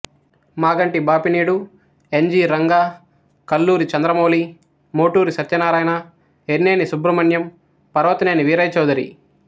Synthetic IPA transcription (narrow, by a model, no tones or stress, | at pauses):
maːɡɐɳʈibaːpiniːɽu | eɲd͡ʒiːɾɐŋɡaː | kɐlːuːɾit͡ʃɐnd̪ɾɐmoːli | moːʈuːɾisɐt̪ːjɐnaːɾaːjna | eɾnːeːnisubɾɐmɐnjɐm | pɐɾɐʋɐt̪ɐneːniʋiːɾɐjt͡ʃɐwd̪ɐɾḭ